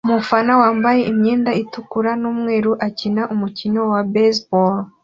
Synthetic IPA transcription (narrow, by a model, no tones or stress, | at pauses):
umufanawaːmbaje̞ʔimɲe̞ːndaitukuɾanuːmŋe̞ːɾuʔacinaʔumucino̞wabesbol